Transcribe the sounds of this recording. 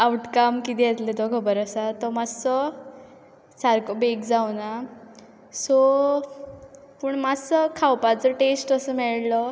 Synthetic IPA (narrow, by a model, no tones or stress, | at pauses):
awʈkamkid̪ɛt̪let̪ɔkʰəbəɾəsat̪ɔmasɔ | t͡sʰaɾkobekd͡zawna | sɔ | puːɳmasəkʰawpat͡səʈesʈəsəmɛɭlɔ